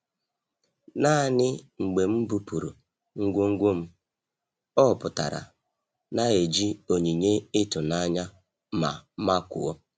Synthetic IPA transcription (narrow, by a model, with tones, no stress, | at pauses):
na˦˨nɪ˦ŋ͡m̩˨ɡ͡be˨m̩˦bu˦pu˨ɾṵ˨ | ŋ̩˦ɡʷʊ˦ŋ̩˦ɡʷʊ˦m̩˦ | ɔ˦˨pʊ˨ta̰˨ɾa̰˨ | na˦e˨d͡ʒi˦o˨ɲi˨ɲe˦ɪ˦tʊ˨na˦ɲa˦ | ma̰˨˦ma˦kʷʊ̰˨ɔ˦